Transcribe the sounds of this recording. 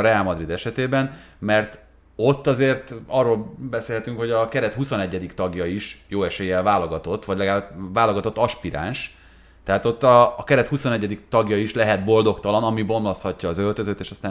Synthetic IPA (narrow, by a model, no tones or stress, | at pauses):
ɾɛaːlmɒd̪rid̪ɛʃɛt̪eːbɛnmɛrt̪ | o̞t̪ːɒzeːrt̪ɒrːoːlbɛseːlɦɛt̪yŋkho̞ɟɒkɛɾɛt̪huso̞nɛɟːɛd̪ikt̪ɒɡjɒiʃjoːɛʃeːjɛlvaːloɡɒt̪o̞t̪ːʋɒɟlɛɡaːbvaːloɡɒt̪o̞t̪ːɒʃpiɾa̰ːnʃ | t̪ːɛɦaːt̪o̞t̪ːɒːkɛɾɛt̪huso̞nɛɟːɛd̪ikt̪ɒɡjɒiʃlɛɦɛd̪bo̞ld̪o̞kt̪ɒlɒnɒmibo̞nlo̞shɒcːɒːzølt̪ø̞zøːt̪eːʃɒst̪aː